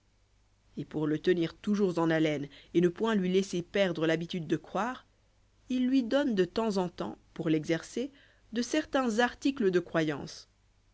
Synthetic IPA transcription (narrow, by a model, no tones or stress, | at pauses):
epuʁlət̪əniʁt̪uʒuʁzɑ̃nalɛnenəpwɛ̃lɥilesepɛʁd̪ʁəlabit̪yd̪ːəkχwaːʁ | ilːɥid̪ɔnd̪ət̪ɑ̃zɑ̃t̪ɑ̰̃puʁlɛɡzɛʁse | d̪əsɛʁt̪ɛ̃zaʁt̪ikləd̪əkχwajɑ̰̃s